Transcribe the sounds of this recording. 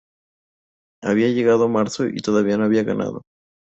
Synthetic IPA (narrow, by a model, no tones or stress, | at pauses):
aβiaʝe̞ɣaðomaɾsoʔḭt̪o̞ðaβianoaβiaɣana̰ðo̰